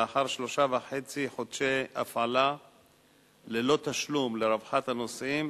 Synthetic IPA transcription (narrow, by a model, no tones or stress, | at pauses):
aħaʁʃlo̞ʃavaħe̞t͡siħod̪ʃea̰fʕala | lelo̞t̪aʃlumleɾavħat̪hano̞sʔim